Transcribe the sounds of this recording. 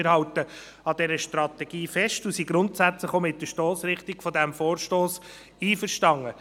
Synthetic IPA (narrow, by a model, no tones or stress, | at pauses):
əɾhɑwtə | ɑdɛɾəʃtɾɑt̪ɛɡ̥iːfɛʃtusiɡɾʊntsæt͡sləχomɪt̚d̥əʃtoːsɾɪχtiɡ̥fɔdæmfoːɾʃtoːs | iːfəɾʃtɑŋːə